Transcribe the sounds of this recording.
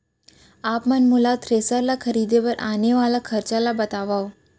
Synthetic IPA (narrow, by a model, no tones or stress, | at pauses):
apmənmulat̪ʰɾesaɾlakʰəɾid̪epəɾʔaneʋalakʰəɾt͡ʃalabət̪aʋaʋ